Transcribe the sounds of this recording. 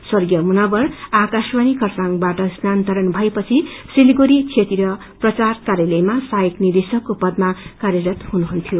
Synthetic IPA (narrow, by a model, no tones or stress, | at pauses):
sʌrɡjʌmunʌbʌrakaswanikʰʌrsaŋbaʈʌsnant̪ʌɾʌnbʱʌepʌt͡sʰisiliɡoɾit͡sʰet̪iɾʌ | prʌt͡sarkaɾjʌlejmasajiknid̪isʌkːopʌd̪̚makarjʌɾʌt̪hunuɦunt̪ʰijo